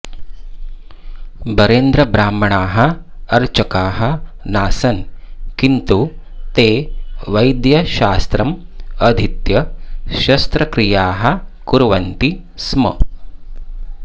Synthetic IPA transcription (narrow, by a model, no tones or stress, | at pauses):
bɐɾeːnd̪ɾɐbɾaːmɐɳaːɦɐ̆ɐɾt͡ʃɐkaːɦɐ̆naːsɐnkint̪u | t̪eːʋɐjd̪jɐʃaːst̪ɾɐmɐd̪ʱit̪jɐʃɐst̪ɾɐkɾijaːɦɐ̆kuɾʋɐnt̪i | smɐ̰